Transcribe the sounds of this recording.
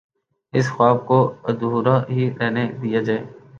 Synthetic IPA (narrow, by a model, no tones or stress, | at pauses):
ɪsxwaːb̚koəd̪uːɾãɦiɾɛɦned̪ijad͡ʒaːeː